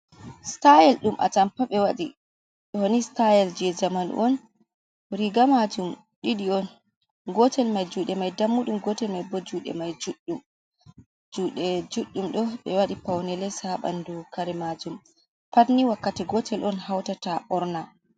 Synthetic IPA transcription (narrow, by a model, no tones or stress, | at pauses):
stajɛlɗumʔa̰tampaɓɛwaɗi | ɗɔhonistajɛld͡ʒɛd͡ʒamanṵʔɔn | ɾiɡamad͡ʒum | ɗiɗiɔn | ɡɔtʰɛlmajd͡ʒuːɗɛmajdamːuɗumɡɔtɛlmajbɔd͡ʒuɗɛ̰majd͡ʒuɗːum | d͡ʒuɗɛd͡ʒuɗːumɗɔɓɛwaɗipawnɛlɛsaɓa̰ndukaɾɛmad͡ʒum | patniwakːatiɡɔtʰɛlʔɔnhawtataʔɔɾna